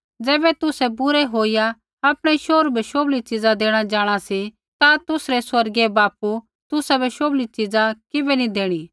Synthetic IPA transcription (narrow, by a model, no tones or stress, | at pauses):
d͡zɛːbɛt̪ʊsɛbʊɾɛɦoːija | ɐpɽ̃iʃoːɾbʱɛʃoːblit͡ʃɪd͡zad̪eːɽ̃ad͡ʒaːɽ̃asi | t̪at̪ʊsɾɛswɐɾɡebaːpu | t̪ʊsabʱɛʃoːblit͡ʃɪd͡zakɪbɛnid̪eːɽ̃iː